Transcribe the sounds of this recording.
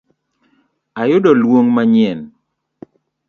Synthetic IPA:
ajʊdɔlwoŋmaɲɪɛn

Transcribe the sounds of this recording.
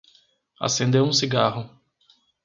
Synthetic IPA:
a̰sẽnd̪ewũsiɡahʊ

